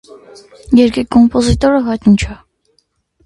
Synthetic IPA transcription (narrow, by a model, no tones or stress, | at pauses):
jɛɾkikːɔmpɔzit̪ɔɾəɦɑjt̪nt͡ʃʰɑ